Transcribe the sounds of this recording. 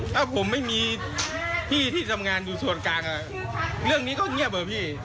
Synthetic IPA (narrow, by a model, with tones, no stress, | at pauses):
ʔa˨˧˩pʰo˨˧˦mːa˧˥˨jmi˧˨ | pʰi˧˩t̪ʰi˧˩za˨˩mŋaː˨˩nɗu˨˩su˨˧˩ən̚kaː˨˩ŋaː˨˩ | lɨ˧˩əŋni˨˦˥kɔ˧˥ŋ˧˥˨pʔəː˨˩pʰi˧˩